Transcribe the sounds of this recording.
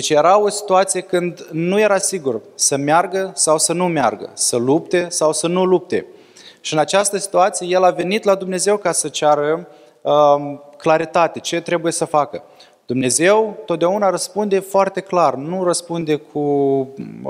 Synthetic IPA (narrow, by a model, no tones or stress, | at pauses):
d̪et͡ʃje̞ɾao̞si̥t̪uat̪sije̞kɨnd̪nuje̞ɾasiɡursəmearɡəsawsənumea̰rɡə̰səlupt̪e̞sawsənulup̚t̪e̞̰ | ʃiɨnat͡ʃast̪əsi̥t̪uat̪sije̞je̞lave̞nit̪lad̪umne̞ze̞wkasət͡ʃaɾə | əklaɾit̪at̪e̞t͡ʃe̞t̪ɾe̞buje̞səfakə | d̪̥umne̞ze̞wt̪ot̪̚d̪eaunaɾəspund̪e̞foart̪e̞klarnurəspund̪e̞kʰu